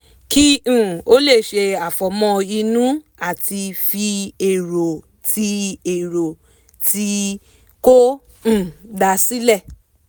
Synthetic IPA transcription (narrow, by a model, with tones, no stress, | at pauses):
kĩ˦˨o˦le˦˨ʃe˧a˨fɔ˨˦mɔ̃˧i˧nũ˦ | a˦˨ti˧fi˧e˨ɾo˨ | tʰi˧˦e˨ɾo˨ | ti˧˦ | kõ˦˨ | da˧si˦lɛ˦˨